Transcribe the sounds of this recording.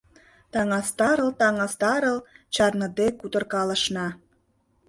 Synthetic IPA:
t̪ɑŋɑst̪ɑɾə̆lt̪ɑŋɑst̪ɑɾəlt͡ɕɑrnə̆d̪ekut̪ə̆rkɑlə̆ʃnɑ

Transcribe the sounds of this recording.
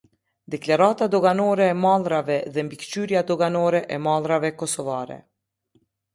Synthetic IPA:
d̪ɛklaɾat̪ad̪ɔɡanɔɾɛːmalˠɾavɛðɛmbikt͡ʃyɾjad̪ɔɡanɔɾɛʔɛmalˠɾavɛkɔsɔvaɾɛ̰

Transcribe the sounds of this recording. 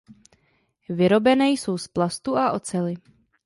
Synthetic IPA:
vɪɾo̞bɛnɛjso̞wsplast̪uʔaʔo̞t͡sɛlɪ

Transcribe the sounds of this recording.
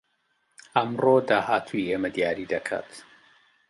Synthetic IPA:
ɐmroːd̪aːhaːt̪ʰuiʔeːmɐd̪jaːɾid̪ɐkʰa̰ːt̪

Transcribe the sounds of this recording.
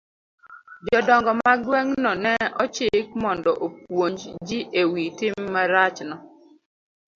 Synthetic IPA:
d͡ʒɔdɔŋɡɔmaɡwɛŋnɔnɛɔt͡ʃɪk̚mɔndɔʔop̚woɲd͡ʒd͡ʒiʔewitɪmːaɾat͡ʃnɔ

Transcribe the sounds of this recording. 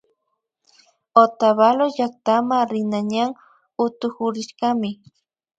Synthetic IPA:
ot̪aβaloʎak̚t̪amaɾɪnaɲaŋ | ʊt̪ʊkʊɾɪʃɢɑmɪ

